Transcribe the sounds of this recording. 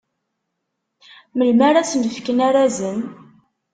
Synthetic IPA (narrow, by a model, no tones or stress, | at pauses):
məlmæɾat͡sənəfkənaɾæzən